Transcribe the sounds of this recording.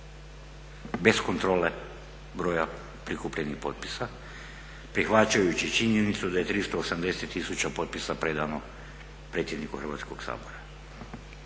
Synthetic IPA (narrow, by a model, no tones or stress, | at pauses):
be̞sko̞nt̪ɾo̞le | bɾo̞ːja | pɾikupʎenixpo̞̰t̪̚pi̥sa | pɾixʋat͡ʃajut͡ɕit͡ʃiɲje̞nit̪sud̪aje̞t̪ɾist̪o̞ːsamd̪e̞set̪ːisut͡ɕapo̞t̪̚pisapɾe̞d̪ano̞ | pɾe̞t̪sjenikuxɾr̩ʋa̰ːt̪sko̞ɡ̥sa̰ːbo̞ɾa